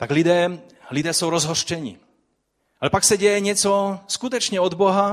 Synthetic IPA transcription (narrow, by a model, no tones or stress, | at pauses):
t̪aɡlid̪ɛː | lid̪ɛːsuwɾɔzɦɔʃt͡ʃɛɲḭː | alɛpaksaɟɛjɛɲɪɛt͡sɔskut̪ɔt͡ʃɲɛɔd̪bɔɦa